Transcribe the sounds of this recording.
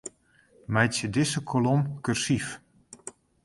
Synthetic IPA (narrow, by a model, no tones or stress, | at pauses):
mɛjtsjədɪsəkʰolɔmkyrsif